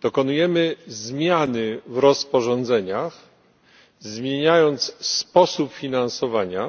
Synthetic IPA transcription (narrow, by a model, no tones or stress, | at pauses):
d̪̥ɔkɔnujɛmɘzmʲjanɘvɾɔspɔʐɔnd̪zɛɲax | zmʲjeɲajɔnt̪sspɔsupfʲinansɔvaɲa